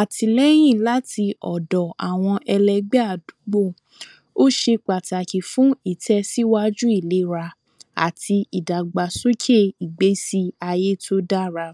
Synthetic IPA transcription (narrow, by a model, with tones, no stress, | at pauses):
a˨tʰi˧lɛ˦j̃ĩ˦˨la˦ti˧ʔɔ˨dɔ˨a˨w̃ɔ̃˧ʔɛ˧lɛ˧ɡ͡bɛ˦a˦˨du˨˦ɡ͡bo˦˨ | o˦ʃe˧k͡pa˨ta˨ki˨fũ˦i˦˨tʰɛ˦si˦wa˦d͡ʒu˦i˦˨le˨˦ɾa˧ | a̰˨tʰi˧i˨da˨ɡ͡ba˨so˦kʰe˦˨i˨ɡ͡be˨˦si˦a˧je˦to˦da˦ɾa˧